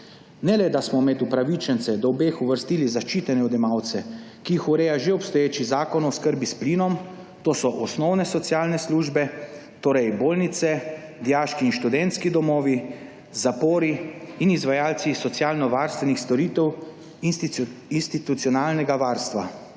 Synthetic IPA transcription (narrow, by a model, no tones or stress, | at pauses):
nɛlɛd̪asmɔmɛd̪upɾaʋit͡ʃɛnt̪sɛd̪ɔwbeːxuʋəɾst̪iːlizaʃt͡ʃiːt̪ɛnɛɔd̪ɛmawt̪sɛ | kijixuɾɛːjaʒeɔpst̪ɔjeːt͡ʃizaːkɔnɔskəɾbisplinɔm | t̪oːsɔʔɔsnɔwnɛsɔtsjaːlnɛsluʒbɛ | t̪oːɾɛjboːlnit̪sɛd̪ijaːʃkiːnʃt̪ud̪ɛnt̪skid̪ɔmɔːʋi | zapoːɾiinizʋajaːlt̪sisɔt̪sjaːlnɔʋaɾst̪ʋɛnixst̪ɔɾiːt̪ɛw | inst̪it̪ut̪sjɔnaːlnɛɡaʋaːɾst̪ʋa̰